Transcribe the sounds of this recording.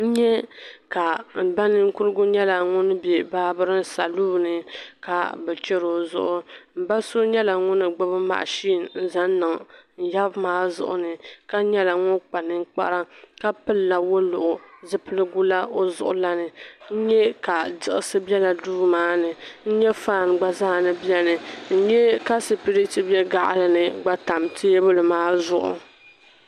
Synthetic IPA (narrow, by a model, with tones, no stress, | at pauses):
n̩˦ɲɛ˦ka˨m̩˨ba˦nɨ˦ŋ̩˦kʊ˦ɾɨ˦ɡʊ˦ɲɛ˦la˨ŋʊ˦n˦be˨baː˦bɨ˦ɾɨ˦n˦sa˨luː˦˨nɨ˨ka˨bɛ˨t͡ʃɛ˦ɾo˨zʊ̰˦ʔʊ˨m̩˨ba˦so˦ɲɛ˦la˨ŋʊ˦nɨ˨ɡ͡bʊ˦bɨ˦ma̰˨ʔʃiː˦˨nn̩˦za˦n˦nɨ˨ŋn̩˨ja˦bmaː˦zʊ̰˨ʔʊ̰˦nɨ˨ka˦ɲɛ˦la˨ŋʊ˦nk͡pa˨nɨ˦ŋ˦k͡pa̰˦ɾa˦ka˦pɨ˦lːa˨wʊ˦lʊ˨ʔʊ˨zɨ˦pɨ˦lɨ˦ɡu˦la˦o˦zʊ̰˨ʔʊ˨la˦nɨ˨n̩˦ɲɛ˦ka˨dɨ˦ʔɪ˨sɨ˦bɛ˦la˨duː˦maː˦nɨ˨n̩˦ɲɛ˦faː˦˨nɡ͡ba˦za˦˨nɨ˦bi˦ɛ˦nɨ˨n̩˦ɲɛ˦ka˦sɨ˨pi˦ɾi˦tɨ˦bɛ˦ɡa˦˨ʔlɨ˨nɨ˨ɡ͡ba˦ta˨mtʰɪ˦bʊ˦lɨ˨maː˦zʊ˦ʔʊ̰˨